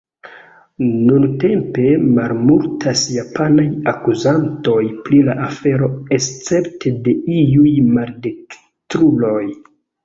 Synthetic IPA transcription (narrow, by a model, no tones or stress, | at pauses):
nunte̞mpe̞malmultʰasjapʰanajakuzanto̞jpɾilaʔafe̞ɾo̞est͡se̞ptede̞iujmaldek | tɾulo̞j